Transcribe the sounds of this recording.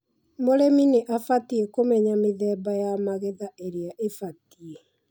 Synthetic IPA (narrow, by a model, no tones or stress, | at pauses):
moɾemineʔafatiekomɛɲameðɛːbajamaɣeðaʔeɾeaʔefatie